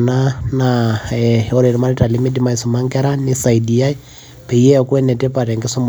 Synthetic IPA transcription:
nanaɛɔ˦ɾe˨ɾi˦ma˦ɾita˨limi˦di˦ma˦i˨su˨ma˦ŋkɛɾanɪsa˨idi˨a˦i | pɛ˨jɛ˦ɔkwɛ˦nɛ˨tɛ˦pa˨tɛ˨ŋɡɪ˦su˦m

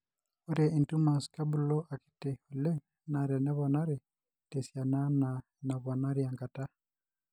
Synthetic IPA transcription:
o˦ɾɛ˨i˨ntu˦ma˨ska˦bulɔ˦ʔa˨ki̥tɛ˨u˨lɛ˦ | na˨ɾɛ˨nɛ˦βɔnaɾɛ˨ | tɛ˨sja˨na˦na | na˨βa˨na˦ɾjaŋɡa˨ta˦

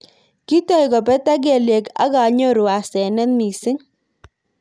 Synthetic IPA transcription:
ki˦tɔ˦˨jkɔ˨pɛ˦ta˦ɡ̬e˨le˨ka̰˦ka˨˦ɲo˦ɾu˨a˨sɛ˨nɛ˦nmi˨sɪ˦ŋ

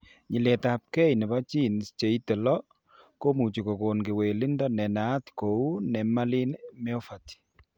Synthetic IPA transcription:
ɲi˨le˨ta˨p̚kɛ˦jnɛ˨ba˦t͡ʃi˦˨nst͡ʃe˨i˦tɛ˨lɔ˦ | ko˦mu˨t͡ʃi˨ko˨ko˨nke˨we˨li˦ndɔ˦nɛ˨na˨˦t̪ko˨u˦nɛ˨ma˦li˦nmɛ˦ɔ˦fa˨ti̥˨

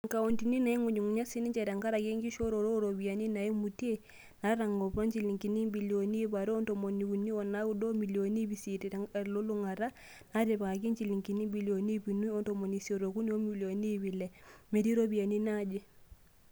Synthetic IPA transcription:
ŋka˨o˨nti˨ni˦na˨i˦ŋo˨ɲi˨ŋu˨ɲa˦si˦ni˦ɲt͡ʃɛ˨ɾɛ˨ŋka˦ɾa˨ke˦ŋɡi˦ʃo˦ɾo˨ɾo˦ɾo˨bi˨a˨ni˦na˨i˦mu˨te˦ | na˨˦ɾa˨ŋɡɔ˨pɔ˦ɲt͡ʃi˨li˨ŋki˨ni˦mbi˨ljo˨ni˦pa˨ɾɔ˦nto˨mo˨ni˨ku˨ni˦ɔ˨na˦u˦do˦mi˨li˨o˨ni˦bi˨si˨ti˨ɾɛ˦ŋa˨lo˦lu˦ŋa˨ɾa˦ | na˦ɾe˨pa˨ka˨ki˦nt͡ʃi˨li˨ŋki˨ni˦mbi˨ljo˨ni˦pi˨nu˦ɔ˦nto˨mo˨ni˨sjo˨ɾo˨ku˦ni˦o˦mi˨ljo˨ni˦βi˨lɛ˨me˨ɾi˦ɾo˦bi˨a˨ni˦na˦d͡ʒe˦

